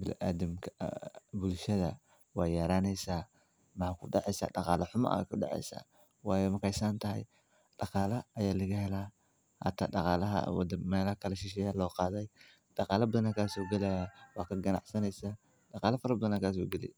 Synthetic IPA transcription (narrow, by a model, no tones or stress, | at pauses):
bɪl̰ʔa̰ːd̪ɐmkʰɐbʊlʃɐðɐ | wɑːjɐɾaːnɛjsaː | mɑħaːkʰʊɖɑʕɛjsa̰ːɖɑqɑːlɐħʊma̰ʔkʰʊɗɑ̰ʕɛ̰jsa̰ː | wɑːjɛmɐkɛjsaːnt̪ʰɐɦj | ɖ̥ɑqɑːlɐɐjaːlɐɣɐhɛlaː | ha̰t̪ʰːa̰ːɗɑqɑːlɐɦɐ̰w̰d̪ɐmɛːlɐhɐkʰɐlɐʃɪʃ̬ɛːjaːlɔːqɑːðɛj | ɖ̥ɑqɑːlɐbɐðɐnakʰasɔːɡɛlɛjawɑːkʰɐɡɐnɑ̰ʕsɐnɛjsaː | ɗɑqɑːlɐfɐɾɐbɐðɐnakaːs̬ɔːɡɛlɪ̰